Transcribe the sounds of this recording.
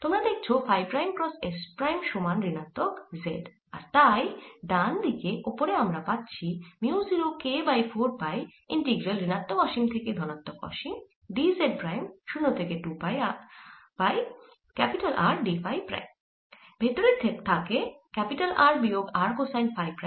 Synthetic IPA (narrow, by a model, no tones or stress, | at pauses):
t̪omɾad̪ek̚ʰt͡ɕʰofajpɾajmkɾɔsespɾajmʃomanɾinat̪ːokzḛɖ | a̰ɾt̪ajd̪and̪ikeopoɾeamɾapatːt͡ɕʰimiuziɾokebajfʰoɾpaj | ḭɳʈiɡɾalɾinat̪ːokɔʃimt̪ʰeked̪ʱɔnat̪ːokɔ̰ʃim | ɖizeɖ̚pɾajmʃunːot̪ʰekeʈupajabaj | kɛpiʈalʔa̰ɾɖifajpɾa̰jm | bʱet̪oɾet̪ʰːet̪ʰakekɛpiʈalʔaɾbioɡaɾkosajnfajpɾa